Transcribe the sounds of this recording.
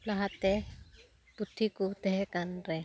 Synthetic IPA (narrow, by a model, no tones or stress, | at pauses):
laɦat̪ɛ | put̪ʰːikut̪ɛɦɛkanɾɛ